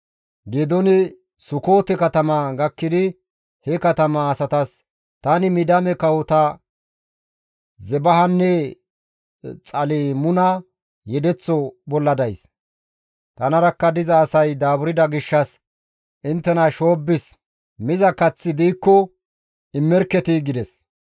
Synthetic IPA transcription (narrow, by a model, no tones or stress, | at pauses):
ɡeːd̪ɔnɪ | sʊko̞ːt̪ɛkɐt̪ɐmɐɡɐkːɪd̪ɪ | hɛkɐt̪ɐmɐːsɐt̪ɐs | t̪ɐnɪmɪd̪ɐmɛkɐwʊt̪ɐ | zɛbɐɦɐnːɛ | t͡sʼɐlimʊnɐ | jɛd̪ɛt͡sːɔbɔlːɐd̪ɐjs | t̪ɐnɐɾɐkːɐd̪ɪzɐːsɐjd̪aːbʊɾɪd̪ɐɡɪʃːɐs | ɪnt̪ːɛnɐʃo̞ːbːɪs | mɪzɐkɐt͡sːɪd̪iːkːɔ | ɪmːɛɾkːɛt̪iɡɪd̪ɛs